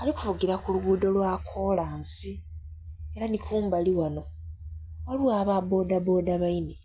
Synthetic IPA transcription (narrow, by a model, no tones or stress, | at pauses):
aliku̥fuɡiɾakuluɡuːdo̞lwakʰo̞laːnsi | e̞ɾanikʰuːmbaliwano̞ | waluwaːβabo̞ːdabo̞ːdaβaini